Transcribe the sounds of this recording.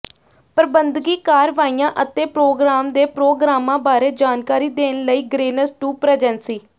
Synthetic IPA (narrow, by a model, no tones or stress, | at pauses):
pəɾbənd̪ɡiːkaːɾʋaːiːãːʔət̪ẽːpɾoːɡɾaːmd̪eːpɾoːɡɾaːmãːbaːɾeːd͡ʒaːnkaːɾiːd̪eːnləiːɡɾeːnəsʈuːpɾɛːd͡ʒɛːnsiː